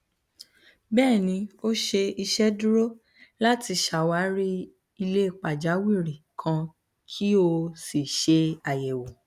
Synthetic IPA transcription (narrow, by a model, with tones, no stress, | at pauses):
bɛː˦˨nĩ˧o˦ʃe˧i˧ʃɛ˦du˦ɾo˦ | la˦ti˧ʃa˨wa˨˦ɾi˦ | i˧le˦i˦˨k͡pa˨d͡ʒa˨˦wi˦˨ɾi˨kʰã˧ | kʰi˦o˧si˨ʃe˧a˨jɛ˨wo˨